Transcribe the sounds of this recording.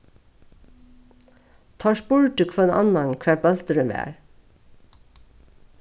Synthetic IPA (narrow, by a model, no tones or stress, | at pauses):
t̪ʰɑːʃbʊɹʈʉkʰfoːeːnʔɑ̰nɑnkʰæːbɑlt̪əɾʉmæ̰ːɹ